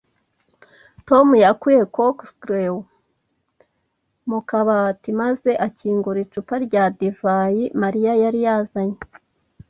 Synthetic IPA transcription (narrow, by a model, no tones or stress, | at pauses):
to̞mujakuje̞kokstɾew | mukaβatimaze̞ʔaciːŋɡuɾit͡ʃupaɾɟadevajimaɾijajaɾijazaɲe